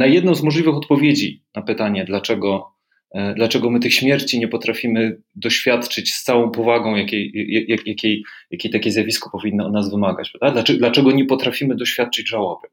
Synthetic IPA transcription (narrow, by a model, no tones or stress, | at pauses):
najɛd̪nɔ̃w̃zmɔʐlʲivɘxɔt̪̚pɔvʲjed͡ʑinapɘt̪aɲɛd̪lat͡ʂɛɡɔ | d̪lat͡ʂɛɡɔmɘt̪ɘxɕmʲjɛɾt͡ɕiɲɛpɔt̪ɾafʲimɘ | d̪ɔɕfʲjat̪t͡ʂɘt͡ɕst̪sawɔ̃w̃pɔvaɡɔ̃w̃jakʲejajajakʲejjakʲejt̪akʲɛzjavʲiskɔ̥pɔvʲinːɨɔd̪nazvɘmaɡa̰t͡ɕpɾavd̪ad̪lat͡ʂɛd̪lat͡ʂɛɡɔɲɛpɔt̪ɾafʲimɘd̪ɔɕfʲjat̪̚t͡ʂɘd͡ʑʐawabɘ